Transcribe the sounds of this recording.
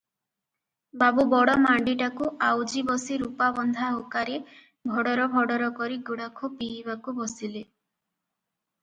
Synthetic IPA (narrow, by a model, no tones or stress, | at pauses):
babubɔɽɔmaɳɖiʈakuawd͡ʒibɔsiɾupabɔnd̪ʱaɦokaɾe | bʱɔɽɔɾɔbʱɔɽɔɾɔkɔɾiɡuɽakʰupiːbakubɔsile